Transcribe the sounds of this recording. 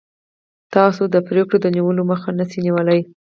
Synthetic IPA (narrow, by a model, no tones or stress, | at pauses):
t̪ɑsod̪əpɾekɽod̪əniwəloməxanəsiniwəlaj